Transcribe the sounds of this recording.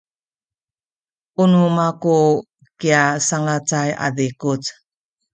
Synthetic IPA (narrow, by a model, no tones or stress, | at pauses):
ʔunumaku | kiasaŋat͡saja̰dikut͡s